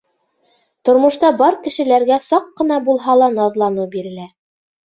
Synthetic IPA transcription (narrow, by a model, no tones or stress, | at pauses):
t̪ŏɾmŏʃt̪ɑbɑɾkɘ̆ʃɘ̆læɾɡæsɑqːɤ̆nɑbulˠɦɑlˠɑnɑðlˠɑnɤbiɾɘ̆læ